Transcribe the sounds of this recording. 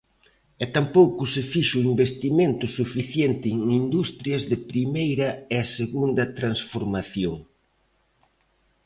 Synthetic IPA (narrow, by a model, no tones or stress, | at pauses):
ɛt̪ampowkʊsɪfiʃʊimbest̪iment̪ʊsufiθjent̪ɪːŋind̪ust̪ɾjɐzðɪpɾimejɾɐeɐseɣund̪ɐt̪ɾansfoɾmaθjoŋ